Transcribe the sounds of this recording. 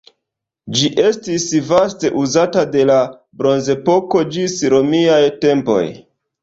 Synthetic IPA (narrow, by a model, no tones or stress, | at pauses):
d͡ʒiʔe̞stisvaste̞ʔuzatade̞la | bɾo̞nze̞po̞ko̞d͡ʒisɾo̞miajte̞mpo̞̰j